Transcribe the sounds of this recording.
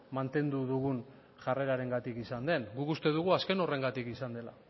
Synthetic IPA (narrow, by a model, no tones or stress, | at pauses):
mant̪e̞nd̪uðuɣ̞un | ʝare̞ɾaɾe̞ŋɡat̪ikisand̪e̞nɡukust̪e̞ðuɣ̞uaske̞no̞re̞ŋɡat̪ikisand̪e̞la